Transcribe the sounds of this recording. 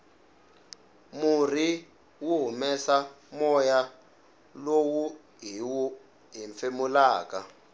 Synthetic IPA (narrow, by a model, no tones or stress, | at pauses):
mur̤i | wuɦumɛsa | mɔja | lowu | ɦiwu | ɦiɱfemulaːk̬a